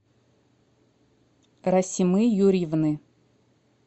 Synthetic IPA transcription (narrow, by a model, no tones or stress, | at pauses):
ɾasʲimɨjuɾʲivnɨ